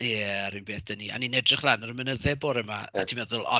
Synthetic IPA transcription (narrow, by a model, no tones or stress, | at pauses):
jɛaɾinbeːθd̥ənia̰ninɛdrɪχlˠanɔɾəmənəðɛboːɾɛmaatʰimɛðʊlˠɔ̰